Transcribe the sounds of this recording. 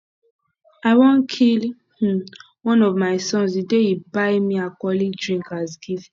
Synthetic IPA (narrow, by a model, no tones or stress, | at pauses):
awɔ̃nkʰil | h̩ | wɔ̃nɔvmaɪsɔ̃nzidejibajmĩakɔlidɹĩŋkazɡivĩ